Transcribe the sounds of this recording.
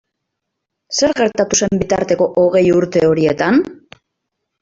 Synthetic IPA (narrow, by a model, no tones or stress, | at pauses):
se̞ɾɣe̞ɾt̪at̪use̞mbit̪aɾt̪e̞ko̞ʔoɣ̞e̞juɾt̪eo̞ɾie̞t̪an